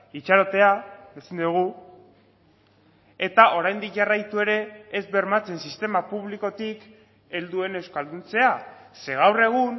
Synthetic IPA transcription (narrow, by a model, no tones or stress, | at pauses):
it͡ʃaɾo̞t̪e̞aesind̪uuɣ̞u | e̞t̪aʔo̞ɾajnd̪ikʝarajt̪ue̞ɾe̞ːzbe̞ɾmat͡se̞nsist̪e̞mapuβliko̞t̪ik | e̞ld̪ue̞ne̞wskald̪unt͡se̞ase̞ɣ̞awre̞ɣ̞un